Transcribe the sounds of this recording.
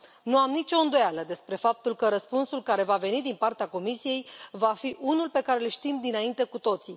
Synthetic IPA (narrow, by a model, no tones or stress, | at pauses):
nuamnit͡ʃo̞ɨnd̪o̞jaləd̪e̞spɾe̞fap̚t̪ulkəɾəspunsulkaɾe̞vave̞nid̪inpart̪eako̞misije̞jvafiʔunulpe̞kaɾelʃt̪imd̪inaint̪e̞kut̪o̞t̪si